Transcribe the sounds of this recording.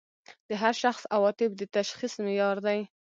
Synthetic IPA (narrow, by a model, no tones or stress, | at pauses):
d̪̥əɦaɾʃaxsawɑt̪ɪbd̪ət̪aʃxismɪjɑɾd̪aj